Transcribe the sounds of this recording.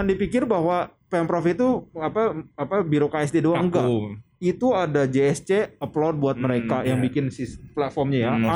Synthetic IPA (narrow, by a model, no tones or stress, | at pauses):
andipikɪrbahwapɛmpɾɔfit̪uapaapabiɾokaɛsdiduaŋɡait̪uadad͡ʒeɛst͡ʃeəplɔd̚buat̪̚məɾekajaŋbikɪnsɪsplat̪fɔrmɲaja